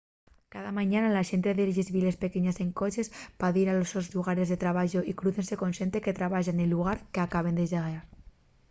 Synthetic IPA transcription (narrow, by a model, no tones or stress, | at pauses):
kaðamaɲanalaʃent̪eðeɾʒezβilespekeɲaseŋkot͡ʃespaðiɾalosozʎuɣaɾezðet̪ɾaβaʒoʔikɾuθensekonsent̪eket̪ɾaβaʒanelːuɣ̞aɾkeakaβ̞end̪eʒaɣaɾ